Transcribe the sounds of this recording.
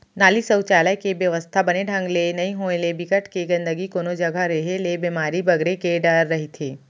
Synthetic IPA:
naːlisəʊt͡ʃaːləjkeʋjɐʋəst̪ʰabɐneɖʱɐ̃ŋɡlenɐĩɦoːelebɪkəʈkeɡɐ̃nd̪əɡikoːnod͡ʒɐɡʱaɾeɦelebimaːɾibɐɡɾekeɖəɾːɐɦit̪ʰeː

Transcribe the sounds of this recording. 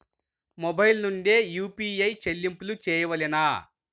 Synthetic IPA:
mobɐjlnuɳɖeːjuːpiːɐjt͡ʃelːimpulut͡ʃɛːjɐʋɐlinaː

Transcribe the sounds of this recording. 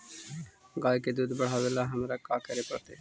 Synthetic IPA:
ɡaːjked̪uːd̪bəɽ̤aːʋelaɦəmɾakaːkəɾepəɽt̪eː

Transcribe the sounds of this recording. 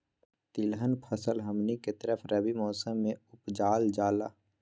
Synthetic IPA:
t̪ilɦənpʰəsəlɦəmniket̪əɾəpʰɾəbimɔːsəmːẽʊpd͡ʒaːld͡ʒaːla̰ː

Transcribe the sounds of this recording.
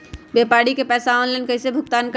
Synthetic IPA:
beːpaːɽikepɛːsaɔːnlɛnkɐɪsebʱʊɡ̚t̪aːnk

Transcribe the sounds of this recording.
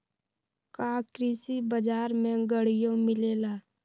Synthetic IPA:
kaːkɾɪsibəd͡ʒaːɾmẽɡəɽɪjõmɪleːlaː

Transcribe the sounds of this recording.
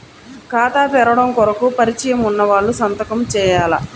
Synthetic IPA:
kaːt̪aːt̪ɛɾɐʋɐɽɐmkɔɾɐkupɐɾit͡ʃɐjɐmunːɐʋaːɭːusɐnt̪ɐkɐmt͡ʃɛːjaːlɐ̰

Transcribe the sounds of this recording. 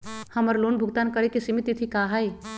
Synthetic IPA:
həməɾlunbʱuɡt̪ankəɾɛkesimit̪it̪ʰikaɦəj

